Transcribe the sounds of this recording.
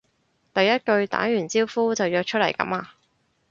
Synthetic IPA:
t̪ɐ˨jːɐ˥t̚kɵ˧ɥt̪a̰ː˨˥jyː˨˩nt͡siː˥wfuː˥t͡sɐ˨wjœː˧k̚t͡ʃʰɵ˥t̚lɐ˨˩jkɐ̰˨˥maː˧

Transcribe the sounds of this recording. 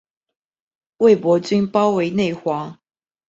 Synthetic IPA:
we˥˨ɪpwɔ˧˥t͡ɕy˥npɑ˥ʊwe˧˥ɪne˥˩ɪxwɑ˨˧˥ŋ

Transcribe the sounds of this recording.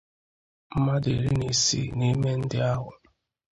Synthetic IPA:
m̩˦ma˦de˨ɾi˦ni˨sḭ˦˨ni˦me˦n̩˦dɪ˦a˦ɦʊ˨

